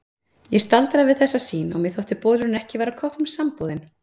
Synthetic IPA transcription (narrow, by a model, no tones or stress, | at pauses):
jɛst̪alt̪ɾavɪðθɛsːasiːnɔ̰ɣmɛðθowht̪ɪpɔːlʏɾʏnɛhcɪvaːɾakʰɔpnʏmsampowðɪn